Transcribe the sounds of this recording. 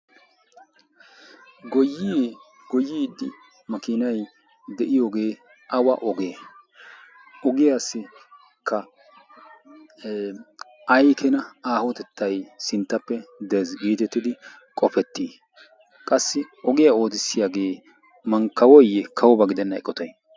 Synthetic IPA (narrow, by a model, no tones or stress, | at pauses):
ɡɔ | ɡɔjːiːd̪ːɪ | mɐkɪnɐj | d̪ɛʔɪjoːɡe̞ː | ʔɐwɐ̰ʔɔɡeː | ɔɡɪjaːsɪ | kʰːɐ | ɐjkʰɛnɐaːhɔt̪ɛt̪ːɐjsɪnt̪ːɐpːɛd̪ɛzɡiːt̪ɛt̪ːɪd̪ɪ | kʼɔpɛt̪ːiː | kʼɐsːɪ | ɔɡɪjao̞ːd̪ɪsːɪjaɡe̞ː | mɐŋkːɐwɔjːɛkʰɐwɔbɐɡɪd̪ɛnːɐɛ̰kʼːɔt̪ɐj